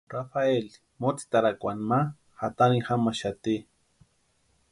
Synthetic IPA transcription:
rafael | mot͡si̥t̪aɾakʷanma | hat̪anixamaʃat̪i

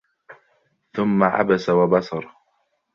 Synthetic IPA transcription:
θʊmːaʕa̰basawabɑsɑɾˤ

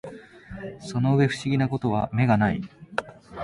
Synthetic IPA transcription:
so̞no̞ɯ̟βe̞ɸɯ̟̥ɕiɡʲinako̞t̪o̞βame̞ɡanai

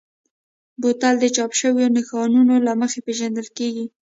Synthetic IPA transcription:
bot̪ald̪ət͡ʃɑpʃəwjonɪxɑnunolaməxepeʒand̪əlkeɡi

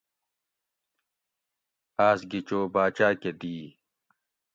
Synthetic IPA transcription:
aːsɡit͡ɕoːbaːt͡ɕaːked̪iː

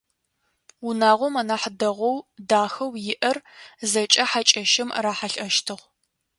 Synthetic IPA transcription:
unaːʁʷɔmɐnaːħdɐʁʷɔwdaːxɐwjɪʔɐrzɐt͡ʃʼɐħat͡ʃʼɐʃɪmraːħaɬʼɐʃtʰɨʁʷ

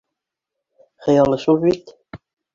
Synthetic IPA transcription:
χɤ̆jɑlˠɤʃulbit̪

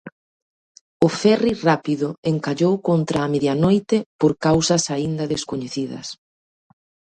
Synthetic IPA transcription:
ʊfɛrirapiðʊeŋkaʎowkont̪ɾaːmeðjanojt̪epoɾkawsɐsaind̪ɐðeskoɲeθiðɐ̰s

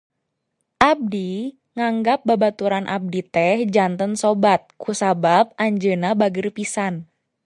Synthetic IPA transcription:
ʔab̚di | ŋaŋɡap̚babat̪uɾanʔa̰b̚dit̪ɛhd͡ʒant̪ənsobat̪̚kʰusabap̚aɲd͡ʒənabaɡərpisan

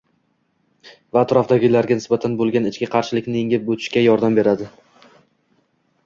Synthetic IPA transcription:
vaːt̪ɾɒfd̪aɡʲɪlaɾɡʲanɪsbat̪ʰanbolˠɡʲanɪt͡ʃkʲɪqʰɑɾʃɪlɪkʲnɪɪŋʲɪp̚bot̪ʰɪ̥ʃkʲajɒɾd̪ambeɾad̪ɪ

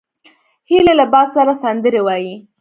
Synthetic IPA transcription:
hilelabɑssaɾasand̪əɾewɑji

